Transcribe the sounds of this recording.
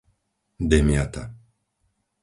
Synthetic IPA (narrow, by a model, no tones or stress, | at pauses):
d̪emjat̪a̰